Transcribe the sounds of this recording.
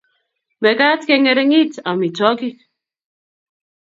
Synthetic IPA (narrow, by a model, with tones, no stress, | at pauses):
mɛ˨ka˦tke˦ŋe˨ɾe˦ŋi˦ta˨mi˨tɔ˦ki˦